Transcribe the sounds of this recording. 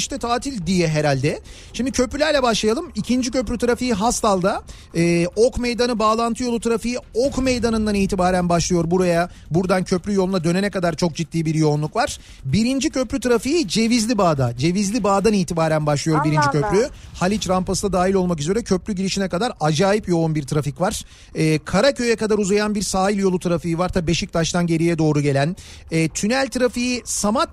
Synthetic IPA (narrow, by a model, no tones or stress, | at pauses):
iʃt̪ɛt̪ʰaːt̪ʰilʲd̪ijɛɦe̞ɾalʲd̪ɛ | ʃimd̪icʰø̞plʲylʲæɾlʲɛbaʃlˠajalˠɯmicʰind͡ʒicʰø̞plʲyt̪ʰɯɾafijiɦast̪ʰalˠd̪a | ɛːokme̞jd̪anɯbaːlˠant̪ʰɯjout̪ɯɾafɯjiokme̞jd̪anɯnd̪aniːt̪ʰibaːɾænbaʃlˠɯjo̞ɾbuɾaja | buɾd̪ancʰø̞plʲyjo̞lˠunad̪ø̞nenɛkad̪aɾt͡ʃʰo̞k̚d͡ʒit̪ːiːbiɾjo̞nlˠukvaɾ̥ | biɾind͡ʒicʰø̞plʲyt̪ʰɯɾafijid͡ʒe̞vizlʲibaːd̪ad͡ʒe̞vizlʲibaːd̪aniːt̪ʰibaːɾænbaʃlˠɯjo̞ɾbiɾind͡ʒicʰø̞plʲyhalʲit͡ʃɾampasɯd̪ad̪aːɦilʲo̞lˠmak̬yze̞ɾɛcʰø̞plʲyɟiɾiʃinɛkad̪aɾad͡ʒaːjipjo̞unbiɾt̪ʰɾaficvaɾ̥ | ɛːkʰaɾacʰø̞jɛkad̪aɾuzajanbiɾsaːilʲjo̞lˠut̪ʰɯɾafijivaɾt̪ʰaibe̞ʃic̚t̪ʰaʃt̪ʰanɟe̞ɾijɛd̪o̞ːɾuɟe̞lʲæn | ɛːt̪ʰynælʲt̪ʰɾafijisamat̪